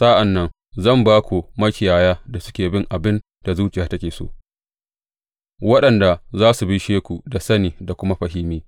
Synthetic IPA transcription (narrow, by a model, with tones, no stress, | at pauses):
sa˦ʔa˨nːɐ˦ŋ | zɐ˦˨mbaː˦kʷu˨mɐ˦kʲɪ˨jaː˨jaː˦da˨sʊ̥˦kʲeː˨bɪ˦ŋʔa˨bɪ˦n | d̥a˨zuː˦t͡ʃʼɪ˨jaː˨tɐ˦kʲeː˨so̰ː˦˨ | wɐ˦ɗɐ˨nda˨zaː˦su˨bɪ˦ʃeː˦kʷu˨da˨sɐ˦niː˨da˨kʷʊ˦ma˦ɸɐ˨hɪ˦miː˦